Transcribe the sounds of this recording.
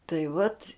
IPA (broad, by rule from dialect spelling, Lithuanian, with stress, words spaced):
tɐɪ ʋɐtʲ